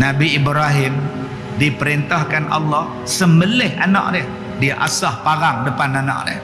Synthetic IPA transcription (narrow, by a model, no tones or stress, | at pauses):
nabiːbɾaɦɪm | dipəɾint̪ahkanʔɑ̰lːɔh | səmbəlɪha̰na̰ʔ̚dɪh | diaʔasahpaɣaŋdəpanana̰ʔ̚dɪ̰h